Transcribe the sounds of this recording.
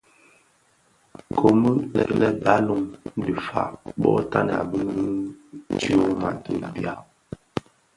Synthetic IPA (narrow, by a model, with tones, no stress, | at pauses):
kʰo˨mə˦lɛ̰˨klɛ˦ba˦lu˦ŋn̩˦də˨fa̰˨ʔɓɔ̰˦ʔta˦nɛ̰˨a̰˨bə˦n˦i˦tu˦o˦ma˨tə˨bja˦˨